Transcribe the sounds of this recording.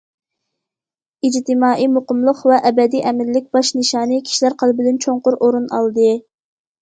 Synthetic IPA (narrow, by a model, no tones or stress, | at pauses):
id͡ʒt̪ɪmɑːʔimoqəmlˠʊqvɛʔɛbɛd̪ijʔɛmɪlːɪk̚ʲb̥ɑʃnɨʃɑːnijkʲʰi̥ʃilæɾqʰəlˠbɪd̪ɪnt͡ʃʰoɴqʊɾʔoɾunɑ̰lˠd̪ɨ